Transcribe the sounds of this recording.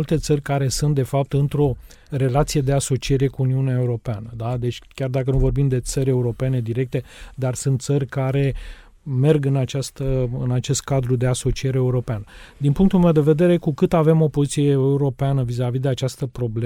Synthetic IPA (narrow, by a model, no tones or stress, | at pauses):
ult̪e̞t̪sərʲkaɾe̞sunt̪̚d̪e̞fap̚t̪ɨnt̪ɾo̞ | re̞lat̪sije̞d̪e̞aso̞t͡ʃie̞ɾe̞kuːniuneaeuɾo̞peanəd̪ad̪e̞t͡ʃʲkʲard̪akənuvo̞rbimd̪e̞t̪səɾʲe̞uɾo̞pe̞ne̞d̪iɾe̞k̚t̪e̞d̪arsunt̪t̪sərʲkaɾe̞ | me̞rɡɨnat͡ʃast̪əɨnat͡ʃe̞st̪̚kad̪ɾud̪e̞aso̞t͡ʃieɾeeuɾo̞peanəd̪inpuŋk̚t̪ulmewd̪e̞ve̞d̪e̞ɾe̞kukɨt̪ave̞mo̞pozit̪sijeeuɾo̞peanəvizavid̪e̞at͡ʃast̪əpɾo̞ble